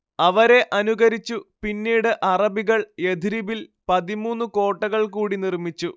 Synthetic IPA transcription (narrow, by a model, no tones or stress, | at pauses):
ɐʋɐɾe̞ʔɐnuɣɐɾit͡ɕːupinːiːɽɨʔɐrɐbiɣɐɭe̞d̪ʱiɾibilpɐðimuːnːuko̞ːʈːɐɣɐɭkuːɽinirmit͡ɕːu